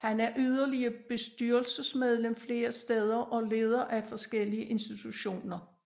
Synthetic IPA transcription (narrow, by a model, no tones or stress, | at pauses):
hænæɐʔyð̞ˠɐliɐb̥e̝sd̥yɐ̰lsəsmeð̞ˠlemfle̝ːɐsd̥eð̞ˠɐʔɒ̽le̝ːð̞ˠɐʔæfɒ̽sɡ̥el̰iəʔe̝nsd̥it͡sʰuɕo̝̰ːnɐ